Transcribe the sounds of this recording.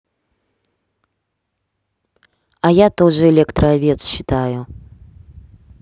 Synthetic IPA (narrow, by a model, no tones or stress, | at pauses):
ajat̪oʐɨɛlʲɛkt̪ɾɐavʲet̪sɕːɪt̪ajʊ